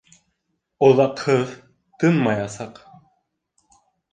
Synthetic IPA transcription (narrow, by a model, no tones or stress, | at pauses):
oðɑqʰɯð | t̪ɨnmɑjɑsɑq